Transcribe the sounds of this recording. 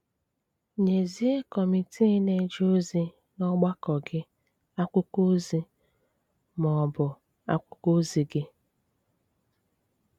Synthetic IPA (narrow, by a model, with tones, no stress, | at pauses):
ɲe˨zi˦e˦kɔ˨mi˨tʰi˦ne˦d͡ʒo˦zi˦ | nɔ˦ɡ͡ba˦kɔ˨ɡɪ˦ | a˦kʷʊ˦ko˦zi˦ | mɔ˨bʊ˨ | a˦kʷʊ˦ko˦zi˨ɡɪ˦